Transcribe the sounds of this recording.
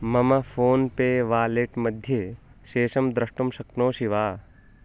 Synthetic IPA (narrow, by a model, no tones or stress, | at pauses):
mɐmɐfʰoːnpeːʋaːleːʈmɐd̪ʱje | ʃeːʃɐmd̪ɾɐʂʈɐmʃɐknoːʃiʋaː